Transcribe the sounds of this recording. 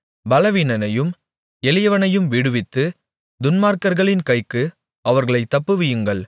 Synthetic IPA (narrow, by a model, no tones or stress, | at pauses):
bɐlɐʋiːnɐnɐjɯm | ɛlɪjɐʋɐnɐjɯmʋɪɽɯʋɪt̪ːɯ | d̪ʊnmaːɾkɐɾɣɐɭɪnkɐɪkːɯ | ʔɐʋɐɾɣɐɭɐɪt̪ːɐpːɯʋɪjɯŋɡɐɭ